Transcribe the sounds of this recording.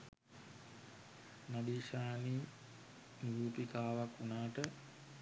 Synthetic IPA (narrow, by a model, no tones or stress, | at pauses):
nadiːʃaːni | niɾuːpikaːʋakːunaːʈə